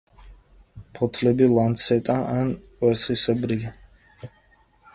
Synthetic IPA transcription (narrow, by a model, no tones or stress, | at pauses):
pʰɔt̪ʰlɛbilˠant̪sʰɛt̪ʼaʔanqʼwɛɾsisɛbɾia